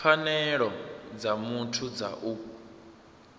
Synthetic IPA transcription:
fanɛɺɔd͡zamutʰud͡za̰ʔu

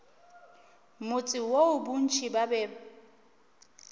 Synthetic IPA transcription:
mʊt͡sʼɪwoʊbun̩t͡ʃʰibabɛːba

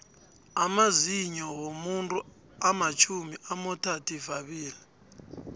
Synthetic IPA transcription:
amaziɲɔɣomuntʼu | amat͡ʃʰumiʔamɔtʰatʰivaβiːli

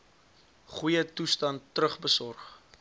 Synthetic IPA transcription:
χujətustɐntːrəχbəsɔrχ

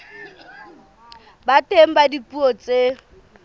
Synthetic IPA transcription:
batʼem̩badipʼuɔt͡sʼe

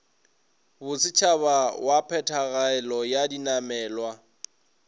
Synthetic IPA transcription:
bʊsɪt͡ʃʰaβawapʰɛtʰaɣaɛlɔjadinamɛːlwa

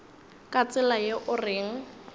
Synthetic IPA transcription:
kʼat͡sʼɪlajeʔʊrɪːŋ̩

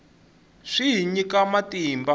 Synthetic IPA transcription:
ʂiɦiɲikamatiːmba

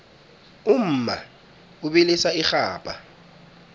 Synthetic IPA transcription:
um̩ːma̰ | uɓilisaixaːpʼa

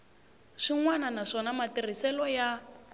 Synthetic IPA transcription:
ʂiŋwananaʂɔnamatir̤isɛlɔja

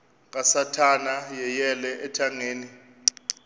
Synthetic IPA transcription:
k̬ʼasatʰanajɛjɛlɛʔɛtʰaŋeːni

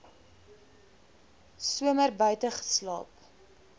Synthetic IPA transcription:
suəmərbœɥtəχə̥slɑ̰ːp

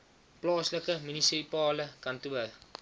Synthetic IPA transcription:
plɑːsləkəminisipɑːləkɐntuə

